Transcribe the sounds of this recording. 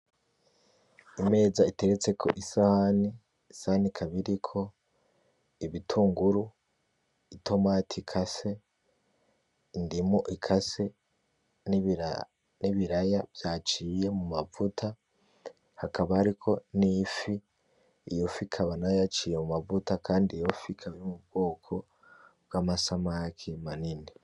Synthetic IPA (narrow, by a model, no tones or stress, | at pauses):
ime̞ːzaite̞ɾet͡se̞kʰo̞̰ʔisahaniː | sahanikʰaβiɾikʰo̞ | iβitʰuːŋɡuɾu | itʰo̞maːtʰikʰase̞ | indimoʔikʰase̞ | niβiɾajabjat͡ʃiːje̞mumavutʰa | hakaβaːɾikʰo̞nifi | ijofikʰaβanajat͡ʃiːjemumavutakaːndijo̞fikʰaβiomubɡ̥o̞ːkʰo̞ | b̚ɡamasamakʰimanini